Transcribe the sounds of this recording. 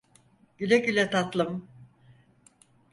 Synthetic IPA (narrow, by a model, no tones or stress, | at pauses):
ɟ̥ylʲɛɟylʲɛt̪ʰat̪lˠɯm